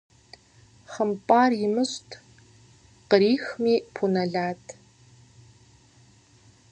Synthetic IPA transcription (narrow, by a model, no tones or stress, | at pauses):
χəmpʼaːrjɪmɨɕtʰ | qəɾiːxmiːpʰunɐɮaːtʰ